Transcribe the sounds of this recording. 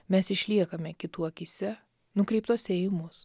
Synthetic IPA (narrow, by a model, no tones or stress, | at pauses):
mʲɛsɪʃʲlʲiɛkɐmʲɛkʲɪt̪uɐkʲɪsʲɛ | nʊkɾʲɛɪp̚t̪oːsʲeːjɪmʊs